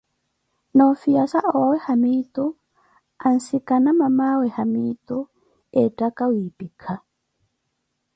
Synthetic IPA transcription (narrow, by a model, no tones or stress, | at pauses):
nafijasaʔɔwawɛhamit̪ɔ | an̩sikanamamawɛhamit̪u | ɛtakawiːpikʰa